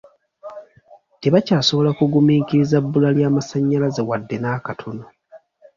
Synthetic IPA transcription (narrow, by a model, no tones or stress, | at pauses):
teβacaːso̞βo̞lakuɡumiːkiɾizabːulaljaːmasaɲːalaze̞wadːenaːkatʰo̞no